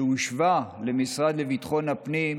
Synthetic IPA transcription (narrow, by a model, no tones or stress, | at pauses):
uʃvalemisʁad̪levit̪χo̞nhapnim